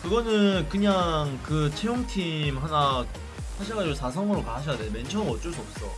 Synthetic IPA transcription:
kɯɡʌnɯnkɯɲaŋkɯt͡ɕʰejoŋtʰimɦana | saɕʰiɡad͡ʑosʰas̬ʰʌŋɯɾokaɕʰʌjadement͡ɕʰʌŋʌt͡ɕ͈oɭs͈uʌp̚s͈ʌ̰

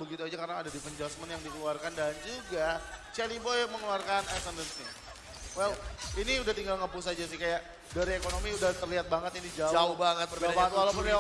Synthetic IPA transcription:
bəɡit̪uad͡ʒakaɾənaːdadifəɲd͡ʒɔsmənjaŋdikəluarkandand͡ʒuɡat͡ʃɛlibɔjməŋəluarkanɛsəndənsni | wɛliniudaht̪iŋɡalŋəmpus̬ad͡ʒasɪhkajaʔ | daɾiekonomiudat̪ərliɦat̪̚baŋət̪inid͡ʒad͡ʒaohbaŋət̪̚bərɡaat̪ukalapʊn

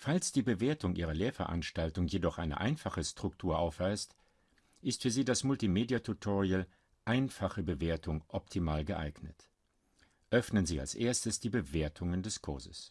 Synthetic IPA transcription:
falsd̥iːbəveːɐtʊŋʔiːʁ̞ɐleːɐfɛɐʔa̰nʃtaltʊŋjedɔχʔa̰ɪnə̰ʔa̰ɪnfaχəstʁ̥ʊktʰuːɐʔaʊfv̥aɪst | ʔɪstfyːɐziːdasmʊltimeːdiatʰutʰɔʁial | ʔaɪnfaχəbəveːɐtʰʊŋʔɔp̚tʰimaːlɡəʔa̰ɪɡnət | ʔœfnənziːa̰lsʔeːɐstəsd̥iːbəveːɐtʰʊŋəndɛskʰʊɐzəs

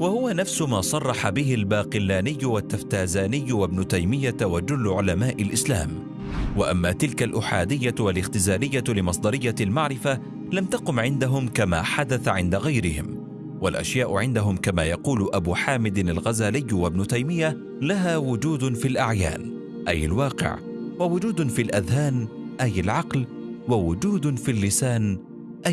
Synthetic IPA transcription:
wahʊwanafsʊmaːsˤɑrˤːɑħabɪɦɪlbaːqɪlːaːnɪjːʊwat̪ːaft̪aːzaːnɪjːwabnʊt̪ajmɪjːat̪wad͡ʒʊlːʕʊlamaːʔɪlʔɪsla̰ːm | waʔamːaːt̪ɪlkalʔʊːħaːd̪ɪjːawalɪxt̪ɪzaːlɪjːalɪmɑsˤd̪ˤɑɾɪjːalmaʕɾɪfa | lamt̪aqʊmʕɪnd̪aɦʊmkama̰ːħad̪aθaʕɪnd̪aɣajɾɪhɪ̰m | walʔa̰ʃjaːʔʊʕɪnd̪aɦʊmkamaːjɑquːlʔabuːħaːmɪd̪ɪnalɣazaːlɪjːwabnʊt̪ajmɪjːa | laɦaːwʊd͡ʒuːd̪fiːlʔaʕja̰ːn | ʔajːɪ̰lwɑːqɪ̰ʕ | wawʊd͡ʒuːd̪fiːlʔaðhaːnʔajalʕɑql | wawʊd͡ʒuːd̪fiːlːɪsaːn | ʔa

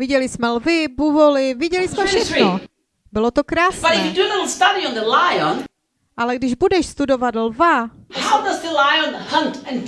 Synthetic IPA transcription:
vɪɟɛlɪsmɛlvɪbuvolɪvɪɟɛlɪsmɛfʃɛxno | bɪlot̪okɾaːsb̥ʌɾɪfjɨdunəstʌɾiɔ̃nðəlaɪɔ̃n | ʔalɛɡdɪʒbudɛʃst̪udovat̪lvahaʊdʌzðəlaɪɔ̃nhʌ̃ntɛ̃n

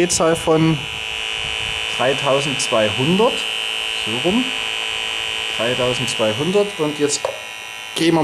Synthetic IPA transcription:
eːt͡saːlfɔn | d̥ʁaɪtʰaʊzn̩tt͡sv̥aɪɦʊndɐtz̥oːʁʊm | d̥ʁaɪtʰaʊzn̩tt͡sv̥aɪɦʊndɐtʔʊntjɛt͡st | ɡ̥eːmɐ

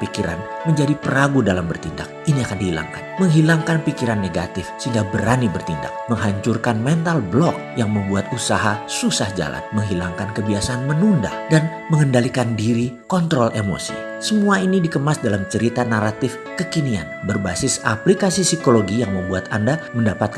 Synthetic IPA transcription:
pikiɾa̰nməɲd͡ʒadipəɾaɡudalambərt̪inda̰k̚iniakandihila̰ŋkanməŋɦilaŋkanpikiɾanːeɡa̰t̪ɪfsəhiŋɡabəɾanibərt̪inda̰k̚məŋɦaɲt͡ʃurkanmɛnt̪alblɔk̚jaŋməmbuat̪usaɦasusahd͡ʒa̰la̰nməŋɦilaŋkankəbiasaːnmənunda̰dan | məŋəndalikandiɾikɔnt̪ɾɔlʔemo̰sḭ | səmuainidikəmasdalamt͡ʃəɾit̪anaɾat̪ɪf | kəkinia̰nbərbasɪsaplikasisikoloɡijaŋməmbuat̪a̰ndaməndapat̪̚k

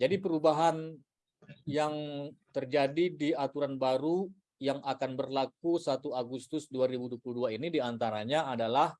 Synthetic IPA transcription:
d͡ʒadipəɾubaɦan | jaŋt̪ərd͡ʒadidiat̪uɾanbaɾu | jaŋakanbərlak̚usat̪uaɡust̪ʊsduaɾibuduapluhduainidiant̪aɾaɲaːdalah

